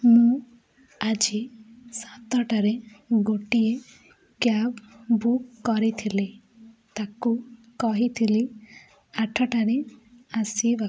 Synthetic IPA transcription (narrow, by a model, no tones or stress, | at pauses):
mũ | ad͡ʒisat̪ɔʈaɾeɡoʈie | kjabbukːɔɾit̪ʰili | t̪aku | kɔɦit̪ʰili | aʈʰɔʈaɾeasiba